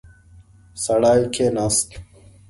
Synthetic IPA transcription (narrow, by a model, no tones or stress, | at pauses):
sɐɽaːjkʰeːnaːst̪